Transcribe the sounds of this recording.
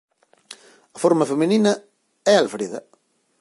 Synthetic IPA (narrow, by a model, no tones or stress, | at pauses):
ɐfoɾmɐfemininɐ | ɛalfɾiðɐ̰